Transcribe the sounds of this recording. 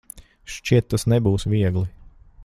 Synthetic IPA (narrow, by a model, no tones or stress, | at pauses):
ʃt͡ʃiɛt̪ːasnɛbuːsʋiɛɡlˠi